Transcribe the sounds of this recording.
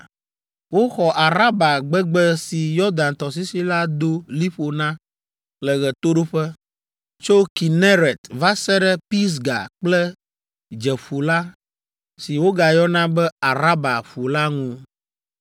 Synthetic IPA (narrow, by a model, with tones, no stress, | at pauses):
wo˦xɔ˨ʔa˨ɾa˦ba˨ɡ͡bɛ˦ɡ͡bɛ˦si˨jɔ˦d̪a˨nt̪ɔ˨s̬i˦si˦la˦d̪o˦li˦ɸo˨nã˦ | lɛ˨ɣɛ˨t̪o˦ɖo˦ɸɛ˦ | t͡ʃo˦ki˨nɛ̃˦ɾɛ˨t̪va˦sɛ˦ɖɛ˦pi˦s̬ɡa̰˨k͡plɛ˦ | d͡ʒɛ˨ɸu˨la˦ | si˨wo˦ɡa˨jɔ˦nã˦bɛ˦a˨ɾa˦ba˨ɸu˨la˦ŋũ˦